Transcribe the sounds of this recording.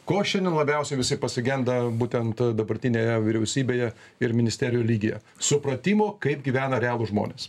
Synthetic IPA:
koːʃʲɛnd̪ʲɛnlˠɐbʲɛʊsʲɛɪʋʲɪsɐɪpɐsʲɪɡʲɛnd̪ɐbuːt̪ʲɛnt̪d̪ɐbɐɾʲt̪ʲɪnʲeːjɛʋʲɪɾʲɛʊsʲiːbʲeːjɛ | ɪɾmʲɪnʲɪsʲt̪ʲæːɾʲɪjoːlʲiːɡʲejɛ̰ | sʊpɾɐt̪ʲiːmoːkɐɪpɡʲiːʋʲæːnɐɾʲæːlˠʊʒmo̰ːnʲḛːs

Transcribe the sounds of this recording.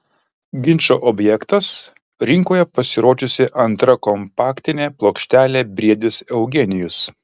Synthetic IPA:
ɡʲɪnʲt͡ʃʲoːʔɔbʲjɛkt̪ɐs | ɾʲɪŋkoːjɛpɐsʲɪɾoːd͡ʒʲʊsʲɪʔɐnt̪ɾɐkɔmpɑːkt̪ʲɪnʲeːplˠoːkʃʲt̪ʲæːlʲeːbʲɾʲiɛd̪ʲɪsɛʊɡʲɛnʲɪjʊs

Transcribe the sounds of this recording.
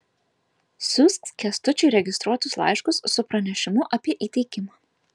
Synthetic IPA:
sʲʊskskʲɛst̪ʊt͡ʃʲʊɪɾʲɛɡʲɪst̪ɾuɔt̪ʊslˠɑ̰ˑɪʃkʊsːʊpɾɐnʲɛʃʲɪmʊʔɐpʲiɛʔiːt̪ʲɛɪkʲɪmaː

